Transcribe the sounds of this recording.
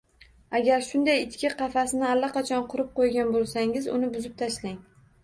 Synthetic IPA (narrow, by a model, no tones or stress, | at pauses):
aɡʲaɾʃʊnd̪ajɪt̪kʲɪqʰɑfasɪnɪalːaqɑt͡ʃʰɒnqʰʊɾɪp̚qojɡʲanbolˠsaŋɪzʊ̰nɪbʊzɪp̚t̪ʰaʃlaŋ